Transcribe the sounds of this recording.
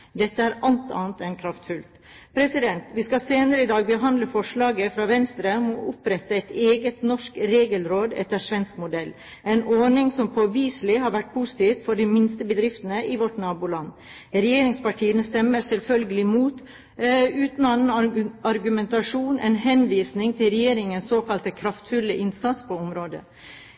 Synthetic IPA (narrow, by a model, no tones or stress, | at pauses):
d̪ɛt̪ːəæɾʔɑlt̪ɑ̰ːnt̪ɛnkʰɾɑft̪fʉlt̪ | pʰɾɛsɪd̪ɛnt̪ʋiskɑseːnəɾəɪd̪ɑːɡ̚bəɦɑnd̪ləfɔʂɭɑːɡəfɾɑːʋɛnst̪ɾəɔmɔʔʊpɾɛt̪ːəɛɪt̪eːɡət̪nɔʂkɾeːɡəlɾoːd̪ɛ̰t̪ːəʂʋɛnskmʊd̪ɛlː | ɛnoːnɪŋsɔmpʰɔʋiːslɪɦɑɾʋæʈ̚ːpʰusɪ̥t̪ʰiːt̪fɔɖimɪnst̪əbəd̪ɾɪft̪ənəʔɪʋɔʈnɑːbulɑnː | ɾɛjeːɾɪŋspɑʈʰiːənəst̪ɛmːəɾsɛlfœlɡəlɪmuːt̪ | ʉːt̪n̩ɑnnɑɾɡʉmɛnt̪ɑʂuːnʔɛ̰nhɛnʋiːsnɪŋt̪ʰɪlɾɛjeːɾɪŋənsoːkɑlt̪əkʰɾɑft̪fʉlːəʔɪnsɑt̪spʰoɔmɾoːd̪ə̰